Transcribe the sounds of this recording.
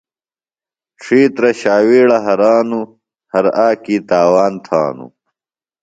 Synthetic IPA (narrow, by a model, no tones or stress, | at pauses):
ʈ͡ʂʰiːt̪ɾɐɕaːwiːɽɐɦɐɾaːnu | hɐɾaːkiːt̪aːwaːnt̪ʰa̰ːnṵ